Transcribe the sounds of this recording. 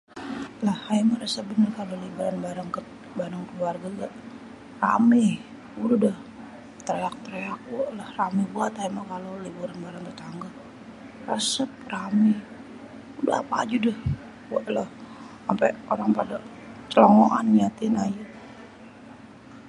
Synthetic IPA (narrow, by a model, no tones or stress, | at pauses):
lahajmaɾəsəbənərkalolibuɾanbaɾaŋk | baɾaŋkəluarɡaɡaʔ | ra̰mɛ | uludah | t̪əɾeak̚t̪əɾeak̚ʔlahramibuat̪haimakalolibuɾanbaɾaŋt̪ət̪aŋɡa | rəsəp̚ramɛ | uda̰a̰pa̰ːd͡ʒudɛh | waʔlah | ampɛoɾaŋpada | t͡ʃəloŋoʔa̰nɲat̪ɪnaju